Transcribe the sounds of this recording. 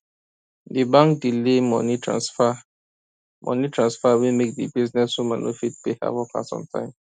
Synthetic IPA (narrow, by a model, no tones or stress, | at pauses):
dibãŋkdilemɔ̰nitã̰nsfa | mʔɔ̰̃nitʰɹãnsfawimek̚dibiznɛsumanʔo̰fit̚peha̰vɔka̰sɔ̰̃mtʰã̰ɪ̃m